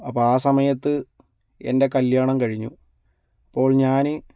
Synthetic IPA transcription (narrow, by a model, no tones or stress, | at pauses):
ɐpːoːaːsɐmɐjɐt̪ːɨ | e̞̰nde̞kɐljaːɳɐmkɐɻiɲːu | ɐpːo̞ːɭɲaːnɨ